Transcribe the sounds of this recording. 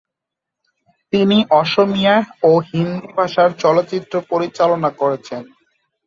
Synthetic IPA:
t̪iniʔɔʃomijaoɦind̪ubʱaʃaɾt͡ɕɔlot̪ːɕit̪ːɾopoɾit͡ɕalonakoɾet͡ɕʰen

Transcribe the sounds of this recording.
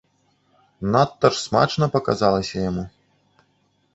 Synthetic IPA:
nat̪ːɐrsma̰t͡ʂnɐpɐka̰zalˠɐsʲɐjamu

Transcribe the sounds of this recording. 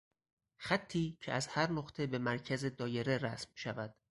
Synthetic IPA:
xæt̪ʰːiːcʰeʔæzhæɾnoχt̪ʰe̞be̞mæɾcʰæze̞d̪ɒːje̞ɾe̞ɾæsmʃævæd̪̥

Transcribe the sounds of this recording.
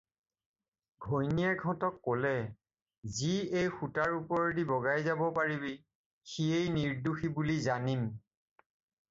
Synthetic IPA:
ɡʱojnijaɡʱɔ̃tɔkːolɛ | ziejxutaɹupɔɹɔdibɔɡajzabɔpaɹibi | xiejniɹduxibulizanim

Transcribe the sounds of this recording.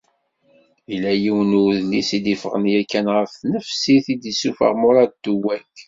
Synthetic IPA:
ilːæjiwənuðlisid̪ifʁənjækːænʁəfθnəfsiθid̪isufə̰ʁmʊɾˤɑt̪ːuwæk

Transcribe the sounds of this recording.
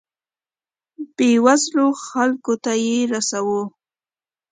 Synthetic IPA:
b̥ewazloxalkot̪ajeɾasawo

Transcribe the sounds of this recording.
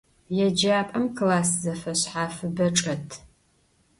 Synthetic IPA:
jɛd͡ʒaːpʼɐmkʰlaːszɐfɐɕħaːfɨbɐʈ͡ʂʼɐtʰ

